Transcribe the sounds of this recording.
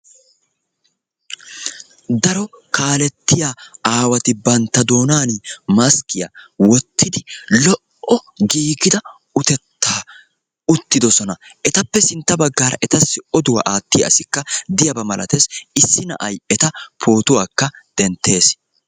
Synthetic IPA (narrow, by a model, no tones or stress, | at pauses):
d̪ɐɾɔkaːlɛt̪ːɪjaaːwɐt̪ɪbɐnt̪ːɐd̪o̞ːnaːnmɐskɪjɐ̰wɔt̪ːɪd̪ɪlɔʔʔɔɡiːɡɪd̪ɐ | ʊt̪ɛt̪ːaː | ʊt̪ːɪd̪ɔsɔnɐɛt̪ɐpːɛsɪnt̪ːɐbɐɡːaːɾɐ̰ʔɛt̪ɐsːɪʔɔd̪ʊwa̰ʔaːt̪ːɪjɐʔɐsɪkːɐd̪ɪjɐbɐmɐlɐ̰t̪esɪsːɪnɐ̰ʔɐjɛt̪ɐpʰo̞ːt̪ʊwaːkːɐd̪̥ɛnt̪ːe̞ːs